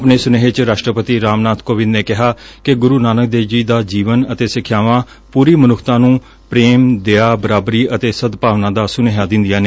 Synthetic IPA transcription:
pneːsʊneɦet͡ʃɾaːʃʈɾəpət̪iːɾaːmnaːt̪koːʋɪnneːkɪɦaːkɪɡʊɾuːnaːnək̚d̪eːd͡ʒiːd̪aːd͡ʒiːʋənət̪eːsɪkʰːjaːʋãː | puːɾiːmənʊkʰt̪ãːnũː | pɾeːmd̪eːaːbəɾaːbɾiːʔət̪eːsəd̪paːʋnãːd̪aːsʊneːɦãːd̪ɪ̃nd̪ijaːneː

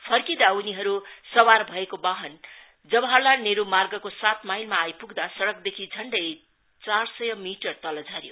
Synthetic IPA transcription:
pʰʌrkid̪auniɦʌɾusʌwarbʱʌekobaɦʌn | d͡zʌbʌɦʌlaneɾumarɡʌkosat̪majlmaːjpuɡd̪asʌɽʌk̚d̪ekʰid͡zʱʌɳɖʌj | t͡sarsʌjʌmiʈʌrt̪ʌlʌd͡zʱʌɾjo

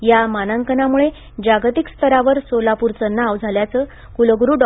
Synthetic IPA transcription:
jamanəŋkənamuɭe | d͡ʑaɡt̪ikst̪ʰəɾaʋəɾsolapuɾt͡sənːaːʋd͡zʱaljat͡səː | kuləɡɾuːɖ

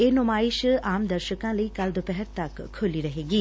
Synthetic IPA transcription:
eːnʊmaːɪʃaːmd̪ɐɾʃəkãːləikɐld̪opɛɦəɾt̪ɐkʰːʊliɾɐɦeːɡiː

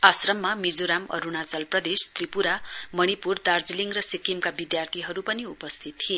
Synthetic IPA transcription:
asrʌmːamid͡zoɾamʌ̰ɾunad͡zʌlprʌd̪est̪ripuɾamʌɽ̃ipurd̪ard͡ziliŋrʌsikimkabid̪jart̪ʰiɦʌɾupʌniupʌst̪ʰit̪ːʰie

